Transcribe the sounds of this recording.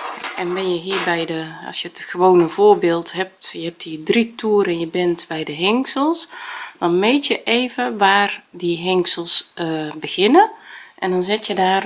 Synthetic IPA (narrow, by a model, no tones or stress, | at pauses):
ʔɛnbɪnjəɦiːrbɛjdəɑ̰sjətxəʋoːnəv̥oːrbɪːlˠtɦɛp̚tjəɦɛp̚thiːdritʰuːɾənjəbɪntbɛjdəɦɛŋksəlˠsd̥ɔnmeːtjəʔeːvənʋaːrdiɦɛŋksəlˠsbəɣɪnəʔɛndɔnzɪtjədaːr